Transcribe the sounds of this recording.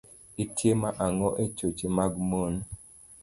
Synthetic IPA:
itʰjemaʔaŋɔʔet͡ʃot͡ʃimaɡmon

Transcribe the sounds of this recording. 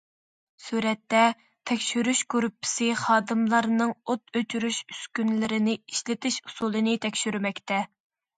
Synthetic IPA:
suɾɛt̪ːɛ | t̪ʰɛkʲʃyɾyʃkuɾupʰːɪ̥sɪχɑːd̪ɨmlˠɑɾnɨŋot̪ʰøt͡ʃʰyɾyʃyskʲynlɪɾɪnɪiʃlɪt̪ʰɪʃu̥sulˠɨnɪt̪ʰɛkʲʃyɾmɛkʲt̪ɛ

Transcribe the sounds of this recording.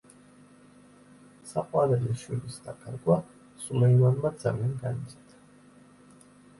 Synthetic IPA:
saqʼwaɾɛliʃwilisd̪akʼʰaɾɡʼwa | sumɛivanmad̪z̥alianɡanit̪sʼɛt̪ʰḁ

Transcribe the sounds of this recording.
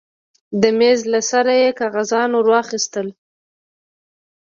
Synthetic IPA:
d̪əmezlasaɾajekɑɣazɑnoɾwɑxist̪əl

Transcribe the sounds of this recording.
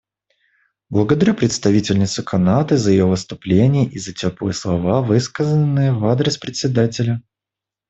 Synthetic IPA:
blˠəɡəd̪ɐɾʲupɾʲɪt̪st̪ɐvʲitʲɪlʲnʲɪt̪sʊkʰɐnat̪ɨzəjɪjovɨst̪ʊplʲenʲɪjəʔizətʲopɨ̰jəslˠɐvavɨskəzənːɨjəvad̪ɾʲɪspɾʲɪt̪sʲɪd̪atʲɪlʲə

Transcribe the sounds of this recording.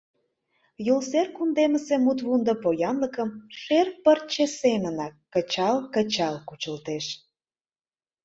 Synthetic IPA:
julserkund̪eməsemut̪βund̪ə̆pojɑnləkə̆mʃerpərt͡ɕesemənɑkːət͡ɕɑlkə̆t͡ɕɑlkut͡ɕə̆lt̪eʃ

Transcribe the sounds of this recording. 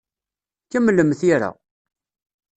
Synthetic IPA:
kæmlːəmθiɾa̰

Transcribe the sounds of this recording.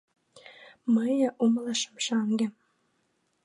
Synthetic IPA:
məjʔumlɑʃəmʃɑŋɡĕ

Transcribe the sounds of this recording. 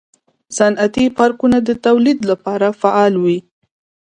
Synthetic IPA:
sanʔat̪ipɑɾkunad̪ət̪awlid̪lapɑɾafaʔɑlwi

